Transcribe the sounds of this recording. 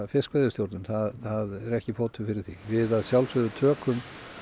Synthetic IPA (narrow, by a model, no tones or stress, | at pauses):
fɪskvaðʏt̪jowɾt̪nʏmθaðθaðɛɾɛhcɪfoːwt̪ʰʏfɪɾɪɾ̥θivɪðaðsjawlsvœðʏt̪ʰœːkʰʏm